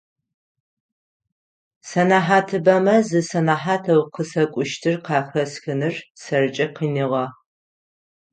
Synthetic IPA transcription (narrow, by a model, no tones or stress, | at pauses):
sɐnaːħaːtʰɨbɐmɐzɨsɐnaːħaːtʰɐwqʰəsɐkʷʼʊʃtʰɨrqɑːxɐsxɨnɨrsɐrɨt͡ʃʼɐqiːniʁɐ